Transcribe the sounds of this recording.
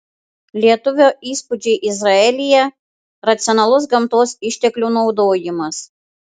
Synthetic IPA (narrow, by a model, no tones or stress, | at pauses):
lʲiɛt̪ʊʋʲoːʔiːspʊd͡ʒʲɛɪʔɪzɾɐɛlʲɪjɛ | ɾɐt̪sʲɪɔnɐlˠʊs̬ɡɐmt̪oːsɪʃʲt̪ʲɛklʲuːnɒʊd̪oːjɪmɐs